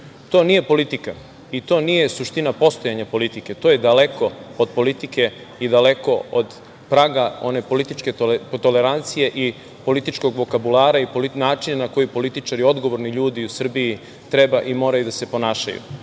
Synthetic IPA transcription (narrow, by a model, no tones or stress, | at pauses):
t̪o̞ːnije̞po̞lit̪ika | it̪o̞ːnije̞suʃt̪inapo̞st̪ojaɲapo̞lit̪ike̞t̪o̞ːje̞d̪ale̞ko̞od̪̚po̞lit̪ike̞ | id̪ale̞ko̞od̪ | pɾaɡao̞ne̞po̞lit̪it͡ʃke̞t̪o̞le̞ɾant̪sije̞ʔi | po̞lit̪it͡ʃko̞ɡʋo̞kabulaːɾaipolinaːt͡ʃinanako̞jipo̞lit̪it͡ʃaɾio̞d̪ɡo̞ʋo̞ɾniʎuːd̪iusr̩biji | t̪ɾe̞baʔimo̞ːɾajud̪ase̞po̞naːʃa̰jṵ